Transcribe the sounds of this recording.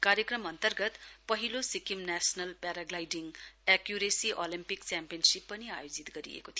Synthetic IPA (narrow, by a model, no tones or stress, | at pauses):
kaɾjekɾɐmɐnt̪ɐɾɡɐt̪pɐɦilosikimnesnɐlpɛɾaɡlajdiŋekjuɾesiʔolimpik̚t͡ʃɛmpijɐnsipːɐnia̰jod͡ʒit̪ɡɐɾḭḛkot̪ʰi